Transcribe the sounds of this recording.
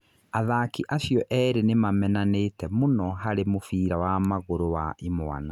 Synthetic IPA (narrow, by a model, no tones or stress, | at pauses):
aðakiʔaɕjɔʔɛːɾenemamɛnanetɛmonɔɦaɾemofiːɾawamaɣoɾowaimwa̰na